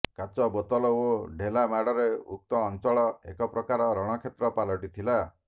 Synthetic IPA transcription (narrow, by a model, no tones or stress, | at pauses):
kat͡ʃɔbɔt̪ɔlɔoɖʱelamaɽɔɾeuk̚t̪ɔːnt͡ʃɔɭɔḛkɔpɾɔkaɾɔɾɔɽ̃ɔkʰet̪ɾɔpalɔʈit̪ʰila